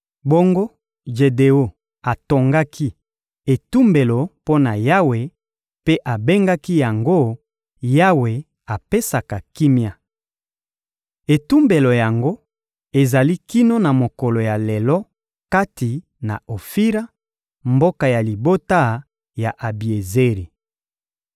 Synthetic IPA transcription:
bo˦ŋɡo˦ | ʒe˨de˨o˦ | a˨to˨ŋɡa˦ki˦ | e˨tu˦mbe˨lo˨po˦na˨ja˦we˨ | pe˦ʔa˨be˦ŋɡa˦ki˦ja˨ŋɡo˦ | ja˦we˨ | a˨pe˦sa˨ka˨ki˦mja˦ | e˨tu˦mbe˨lo˨ja˨ŋɡo˦ | e˨za˨li˦ki˦no˦na˨mo˨kɔ˨lo˨ja˨le˨lɔ˦ | ka˦ti˨ | na̰˨o˨fi˦ɾa˦ | mbo˦ka˨ja˨li˨bo˦ta˦ | ja˨ʔa˨bi˨e˨ze˦ʁi˨

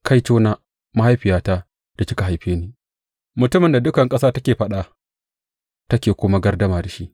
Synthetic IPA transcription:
kʰa˦jt͡ʃoː˦naː˦ | ma˦ha˦jɸɪ˨jaː˦taː˦ | d̥a˨t͡ʃɪ˦ka˨ɦa˨jɸeː˦niː˨ | mʊ˨tʊ˦mɪ˨nda˨dʊ˦kɐ˨ŋkʼɐ˦saː˦tɐ˦kʲeː˨ɸɐ˦ɗa˨ | tɐ˦kʲeː˨kʷʊ˦ma˦ɡɐ˦rdɐ˦maː˨da˨ʃi˦ʔ

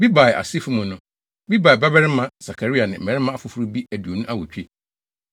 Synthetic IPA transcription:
bi˦ba˨ʔa̰˨si˦fu˦mʊ̃˨nʊ̃˦ | bi˦ba˨ɪ˨ba˦bɛ˦ɾɪ˦mã˦sa˨kʰa˨ɾi˦a˨nɪ̃˨m̩˨ɛ˨ɾɪ˦mã˦a˨fʊ˨fʊ˦ɾu˦bi˦æ˨du˨o˨nũ˦ʔa˦wɔ˨t͡ɕᶣʰe˦

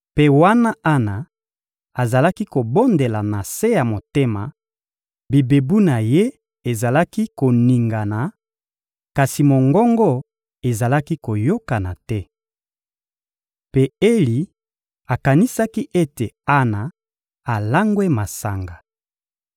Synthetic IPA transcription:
pe˦wa˦na˦ʔa˦na˨ | a˨za˨la˦ki˦ko˨bo˦nde˨la˨na˨se˦ja˨mo˨te˦ma˨ | bi˨be˨bu˦na˨je˦ | e˨za˨la˦ki˦ko˨ni˨ŋɡa˨na˨ | ka˨si˨mo˨ŋɡɔ˦ŋɡɔ˦ | e˨za˨la˦ki˦ko˨jo˦ka˨na˨tɛ˦ | pe˦e˦li˨ | a˨ka˨ni˦sa˦ki˦ʔe˦te˨a˦na˨ | a˨la˦ŋɡwe˦ma˨sa˨ŋɡa˨

